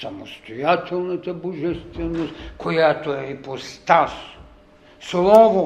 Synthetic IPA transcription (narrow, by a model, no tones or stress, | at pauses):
samost̪ojat̪ʲɛlˠnat̪aboʒɛst̪vɛnost̪kʰojat̪oɛipost̪as | slˠɔvo